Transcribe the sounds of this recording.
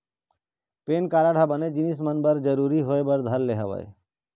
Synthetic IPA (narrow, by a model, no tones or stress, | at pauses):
penkaɾaɽ̤ʱabəned͡ʒinismənbəɾd͡ʒəɾuɾiɦoebəɾd̪ʱəlleɦəʋa̰e